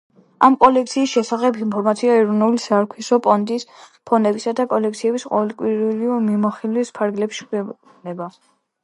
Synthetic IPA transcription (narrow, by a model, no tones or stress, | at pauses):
amkʼɔlɛk̚ʰt̪sʰiːsʃɛsaχɛbʰinpʰɔɾmat̪sʰiaɛɾɔnulisaɾkʰisɔpʼɔnd̪ispʰɔnɛbisad̪akʼɔlɛk̚t̪sʰiɛbisqʼɔ̰vɛlkʼwiɾliɔmimɔχilwispʰaɾɡlɛpʃi̥kʰɛ | nɛba